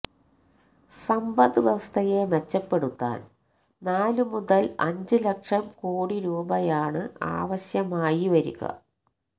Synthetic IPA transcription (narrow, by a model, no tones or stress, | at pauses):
sɐmbɐðɨʋjɐʋɐst̪ʰɐje̞met͡ɕːɐpːe̞ɽut̪ːa̰ːn | naːlumuðɐlɐ̰ɲd͡ʑɨlɐkʂɐmkoːɽiɾuːbɐjaːɳɨa̰ːʋɐɕjɐmaːjiʋɐɾṵɣɐ̰